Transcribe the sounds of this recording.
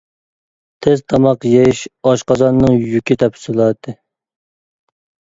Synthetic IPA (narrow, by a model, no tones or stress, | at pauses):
t̪ʰɪzt̪ʰɑmɑqjeʃɑʃqɑzɑnːɨŋjykʲit̪ʰɛpsɨlˠɑːt̪ʰɨ